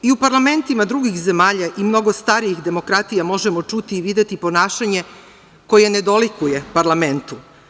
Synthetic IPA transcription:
iupaɾlˠame̞nt̪imad̪ɾuɡixze̞maːʎaʔimno̞ɡo̞st̪aɾiixd̪e̞mo̞kɾat̪ijamo̞ʒemo̞t͡ʃut̪iːʋid̪jet̪ipo̞naːʃaɲe̞ | ko̞je̞ned̪o̞likuje̞paɾlˠame̞nt̪u

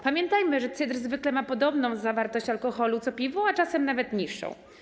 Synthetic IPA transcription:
pamʲjɛnt̪ajmɘʐɛt̪sɘd̪ɾzvɘklɛmapɔd̪ɔbnɔ̃w̃zːavaɾt̪ɔɕt͡ɕalkɔxɔlut̪sɔpʲivɔ̃w̃at͡ʂasɛmnavɛt̪ɲiʂːɔ̰̃w̃

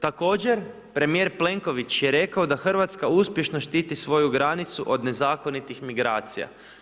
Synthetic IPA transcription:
t̪ako̞ːd͡ʑe̞ɾ | pɾe̞mije̞ɾple̞ŋko̞ʋit͡ɕjeɾe̞kao̞d̪axr̩ʋat̪skauspje̞ʃno̞ʃt̪iːt̪isʋo̞juɡɾanit̪suʔo̞d̪ne̞zaːko̞nit̪ixmiɡɾaːt̪sija̰

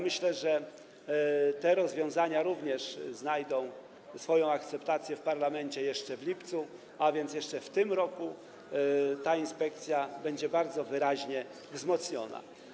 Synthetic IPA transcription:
mɘɕlɛʐɛ | t̪ɛɾɔzvʲjɔ̃w̃zaɲaɾuvɲɛʂznajd̪ɔ̃w̃ | sfɔjɔ̃w̃akt̪sɛpt̪at̪sʲjɛfpaɾlamɛɲt͡ɕɛjɛʂt͡ʂɛvlʲipt̪su | avʲjɛnt̪jɛʂt͡ʂɛft̪ɘmɾɔku | t̪ainspɛk̚t̪sʲjabɛɲd͡ʑɛbaɾd̪zɔvɘɾaʑɲɛ | vzmɔt̪sɲɔna̰

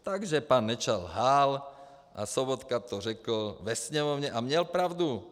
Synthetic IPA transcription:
t̪aɡʒɛpaːnːɛt͡ʃalɦaːl | ʔa̰sɔbɔt̪kat̪ɔrɛkl̩ʋɛsɲɛmɔʊɲɛʔamɲɛlpɾaʊd̪u

